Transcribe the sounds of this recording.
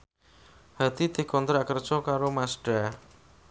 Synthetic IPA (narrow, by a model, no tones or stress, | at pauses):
hat̪id̪̥e̤kɔnt̪ɾakər̥ʒ̥ɔkaɾomasɖ̥a